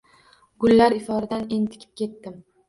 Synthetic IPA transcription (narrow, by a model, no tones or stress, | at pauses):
ɡʊlːaɾɪfɒɾɪd̪anent̪ʰɪ̥kʲʰɪ̥p̚kʲe̞t̪ːɪm